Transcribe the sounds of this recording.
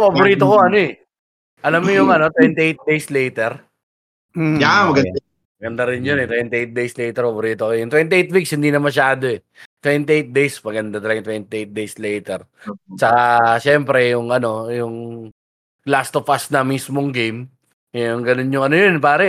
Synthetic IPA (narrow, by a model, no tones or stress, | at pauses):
fɐbʊɾiːt̪okoɐnoɛ | ʔɐlamːojʊŋɐno̞t̪wɛnt̪iʔejt̪̚d̪ejslejt̪ɛɾ | amɐɡɐ | mɐɡɐnd̪aɾɪnjonɛt̪wɛnt̪ɪʔejt̪̚d̪ejslɛjt̪ɛɾpɐboɾiːt̪okojʊnt̪wɛnt̪ɪejt̪̚wikshɪnd̪inɐmɐʃaːd̪o̞ɛ | t̪wɛnt̪iʔejt̪̚d̪ejsmɐɡɐnd̪at̪ɐlɐɡɐŋt̪wɛnt̪ɪʔejt̪̚d̪ejslɛjt̪ɛɾ | t͡ʃɐkaʃɛmpɾɛjʊŋʔɐno̞jʊŋ | last̪ofast̪̚nɐmismoŋɡejm | ʊŋɡɐnonjʊŋɐnojonpaːɾɐ